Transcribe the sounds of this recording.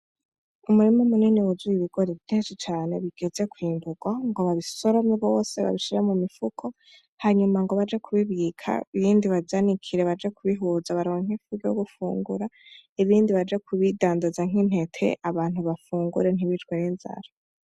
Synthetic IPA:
umuɾimomuniːniwuzujiβiɡ̥o̞ɾiβin̥esit͡ʃaːne̞βiɡ̥e̞z̥e̞kwiːnduɡwaŋɡoβaβiso̞ɾo̞miβo̞ːse̞βa̰βiʃiɾamumifukʰo | haɲumaŋɡo̞βad͡ʒe̞kʰuβiβɡikʰa̰iβiːndiβazanikʰiɾe̞βad͡ʒe̞kuβiɦuzaβaɾoːiŋ̥ifuɡoɡufṵːŋɡuɾaiβiːndiβad͡ʒe̞kʰuβidaːndazaŋ̥in̥he̞tʰe̞̰ʔaβaːn̥uβafuːŋɡuɾe̞n̥iβit͡ʃweninza̰ɾa

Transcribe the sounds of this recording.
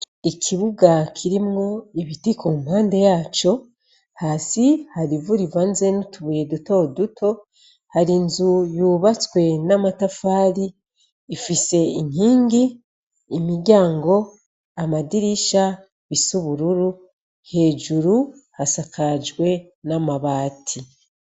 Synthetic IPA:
ikʰiβuɡakʰiɾimŋo̞iβitikumhaːnde̞jaːt͡ʃo̞ | haːsihaɾivuɾivaːnzenutuβujeduto̞dutʰo̞ | haɾinzujuːβat͡swe̞namatafaːɾiː | fise̞iɲhiːŋɡiː | miɾɟaːŋɡo̞ | amadiɾiʃa | βisuβuɾuɾu | he̞ːd͡ʒuɾuhasakad͡ʒɡwe̞ | namaβaːtʰi

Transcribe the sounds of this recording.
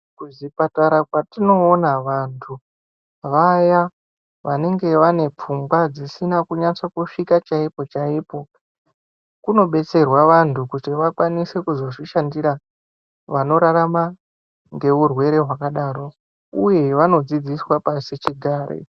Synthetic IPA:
kuzipataɾakwatino̞ːnaʋantʰu | ʋaja | ʋane̞ŋɡe̞ʋane̞p͡fuŋɡwad͡zisinakuɲat͡sokuʂikat͡ʃaipo̞t͡ʃaipo̞ | kuno̞ɓe̞t͡se̞rwaʋantʰukutiʋakwanise̞kuzo̞ʐiʃandiɾa | ʋano̞ɾaɾama | ŋɡe̞ʋurwe̞ɾe̞ɦwakaɗaːɾo̞ | uje̞ʋano̞d͡zid͡ziswapasit͡ʃiɡʱaːɾḛ

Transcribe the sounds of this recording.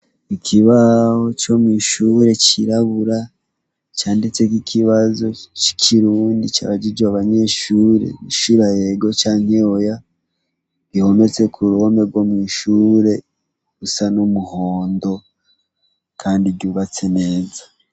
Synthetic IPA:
ikʰiβaho̞t͡ʃo̞mŋiːʃuːɾe̞t͡ʃiɾaβuɾa | t͡ʃaːndit͡sek̬ikʰiβazo̞t͡ʃi̥kʰiɾuːndit͡ʃa̰βaɟid͡ʒwaβaɲe̞ʃuːɾe̞̰miʃuɾajeɡo̞t͡ʃaːɲ̥eoja | ɡiho̞ne̞t͡se̞kʰuɾuhome̞ɡwo̞mŋiːʃuːɾe̞ | ɡusanomuho̞ːndo̞ | kʰaːndiɡɟuːβat͡se̞ne̞ːzḁ

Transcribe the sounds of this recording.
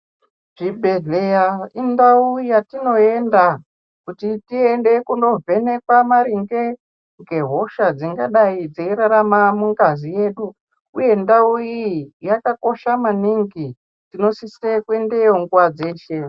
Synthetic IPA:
ʐ̥ibʱe̞ɮejaindauijatino̞e̞nda | kutitiende̞kuno̞ve̞ne̞kwamaɾiŋɡe̞ | ŋɡe̞ɦo̞ʃad͡ziŋɡaɗaid͡zeiɾaɾamamuŋɡazije̞ːɗu | uje̞ndaujijakako̞ʃamaniŋɡi | tino̞sisekuendejoŋɡuwad͡ze̞ːʃe

